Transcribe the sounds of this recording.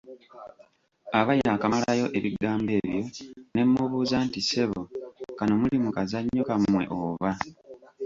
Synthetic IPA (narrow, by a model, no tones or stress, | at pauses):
aβajakamalajo̞ʔe̞βiɡaːmbe̞ːβjo̞ne̞mːuβuːzaːntise̞βokano̞mulimukazaɲːokamwe̞̰ʔoβa